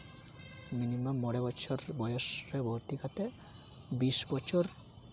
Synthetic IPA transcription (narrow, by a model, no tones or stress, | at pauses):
minimamːɔɽebɔt͡ʃʰɔɾbɔjoʃɾebʱoɾt̪ikʰat̪e | bisbɔt͡ʃʰoɾ